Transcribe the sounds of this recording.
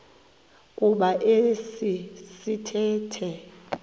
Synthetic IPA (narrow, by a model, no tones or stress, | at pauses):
kʼuɓaʔesisitʰɛːtʰɛ